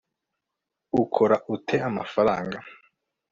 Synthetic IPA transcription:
ukʰoɾaʔutʰeama̰faɾaːŋɡa

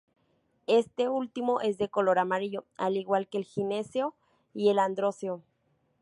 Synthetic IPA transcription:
est̪eult̪imoʔes̬d̪ekoloɾamaɾiʝoa̰liɣwalkeːlxineseo | ieland̪ɾoseo

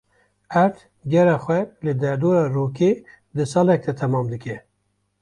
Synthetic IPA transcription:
æɾt̪ʰ | ɡɛɾɛxwɛlɨd̪ɛɾd̪oːɾɑɾoke | d̪ɨsɑlɛk̚t̪ɛt̪ʰɛmɑːmd̪ɨkʲɛ

